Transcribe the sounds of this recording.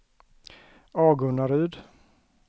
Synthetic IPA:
ɑːɡɵɳaɾʉːd̪

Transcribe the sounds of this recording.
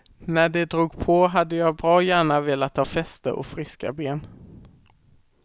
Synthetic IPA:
næɖɛd̪ɾuːɡpʰɔɦad̪ːəjɑːbɾɑːjæːɳaveːlat̪ʰːɑːfɛst̪ə̰ɾʔɔ̰fɾɪska̰beːn

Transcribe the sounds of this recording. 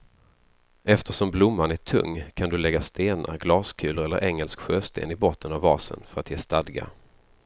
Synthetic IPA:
ɛft̪ʰəʂɔmblʊmːanæʈʰɵ̰ŋːkʰand̪ɵlɛɡːast̪eːna̰ɾɡlɑːskʰʉ̟ːləɾɛlːə̰ɾʔɛŋːɛlskɧøːst̪ḛːnɪbɔt̪ːənavːɑːsə̰nfœɾat̪jeːst̪ad̪ɡa̰

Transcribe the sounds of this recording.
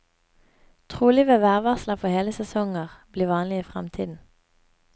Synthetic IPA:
t̪ʰʁuːlɪʋeːʋæːʁʋɑslɑfɔheːləsɛsɔŋəʁb̥liːʋɑːnlɪiːfʁɛmt̪ʰiːd̪n̩

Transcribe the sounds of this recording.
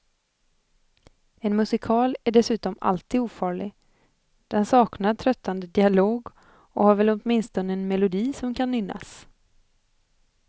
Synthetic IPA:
ɛnmɵsɪkʰɑːlæɖɛsʉ̟ːt̪ɔma̰lt̪ʰiːd̪uːfɑːɭɪɡ | d̪̥ɛnsɑːknaʈʰɾœt̪ʰːand̪əd̪ɪaloːɡ | ɔhaɾvɛlɔt̪mɪnst̪ɔnəɛnmɛlʊd̪iːsɔmkʰanːʏnːa̰s

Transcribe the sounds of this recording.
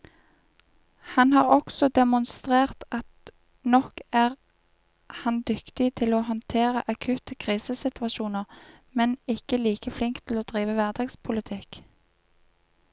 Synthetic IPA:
hɑnhɑːʁɔksɔd̪ɛmʊnst̪ʁeːʁt̪ɑt̪ | nɔkæːʁ | hɑnd̪ʏkt̪ɪt̪ʰɪloːhɔnt̪ʰeːʁə̰ʔɑkʰʉːt̪əkʰʁiːsəsɪt̪ʋɑʃuːnəʁ | mɛnɪkəliːkəflɪŋkt̪ʰɪloːd̪̥ʁiːʋəʋæʁd̪ɑːɡspʰʊlət̪ʰɪk

